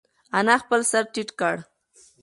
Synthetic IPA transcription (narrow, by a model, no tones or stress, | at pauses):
anaxpəlsaɾʈiʈkaɽ